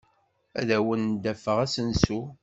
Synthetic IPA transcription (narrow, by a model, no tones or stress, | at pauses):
æ̰ðæwənd̪æfəʁæsənsu